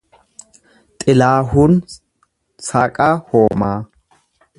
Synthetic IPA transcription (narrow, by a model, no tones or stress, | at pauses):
t̪ʼɪlaːɦʊn | saːkʼahoːmaː